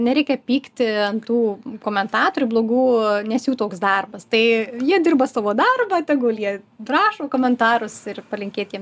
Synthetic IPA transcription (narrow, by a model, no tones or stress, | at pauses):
nʲɛɾʲɛɪkʲɛpʲiːkt̪ʲɪɐnt̪uːkoːmʲɛnt̪ɑːt̪oːɾʲuːblˠoːɡuːnʲɛsjuːt̪oːksd̪ɐrbɐst̪ɐɪjiɛd̪ʲɪrbɐsɑːʋoːd̪ɐrbɐt̪ʲɛɡoːlʲˠjiɛdrɑːʃoːkoːmʲɛnt̪ɑːɾʊsɪrpɐlʲɪŋʲkʲeːt̪ʲjiɛm